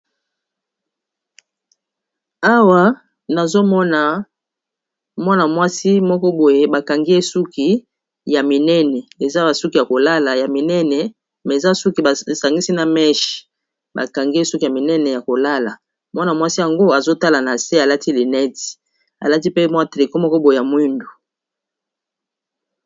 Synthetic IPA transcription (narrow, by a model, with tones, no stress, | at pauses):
a˦wa˦ | na˨zo˦mɔ˦na˨ | mwa˦na˨mwa˦si˦mɔ˦kɔ˦bo˨je˦ba˨ka˨ŋɡi˦e˦su˦ki˨ | ja˨mi˨nɛ˦nɛ˨e˨za˦ba˨su˦ki˨ja˨ko˨la˦la˨ja˨mi˨nɛ˦nɛ˨ | mɛ˨e˨za˦su˦ki˨ba˨sa˨ŋɡi˦si˦na˨mɛ˦ʃi̥˨ | ba̰˨ka˨ŋɡi˦e˦su˦ki˨ja˨mi˨nɛ˦nɛ˨ja˨ko˨la˦la˨ | mwa˦na˨mwa˦si˦ja˨ŋɡo˦a˨zo˦ta˦la˨na˨se˦a˨la˦ti˦li˨nɛ˦ti̥˨ | a̰˨la˦ti˦pe˦mwa˦˨tʁi˨ko˦mɔ˦kɔ˦bo˨je˨ja˨mwi˦ndo˨